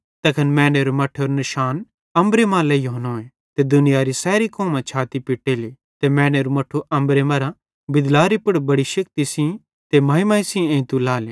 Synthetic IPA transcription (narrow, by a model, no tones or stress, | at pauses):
t̪ɐkʰɐnmɛ̃ːɽ̃eːɾumɐʈʰoɾnɐʃaːn | ɐ̃mbɾemãːlɛijoːnoːẽ | t̪ed̪ʊnɪjaɾisɛːɾikoːmãt͡ʃʰaːt̪ipɪʈeːli | t̪emɛ̃ːɽ̃eːɾumɐʈʰːuʔɐ̃mbɾemɐɾã | bɪd̪laːɾipʊɽbɐɽiʃɐkt̪isĩ | t̪emɐɦɪmãisĩẽĩt̪ulaːlẽː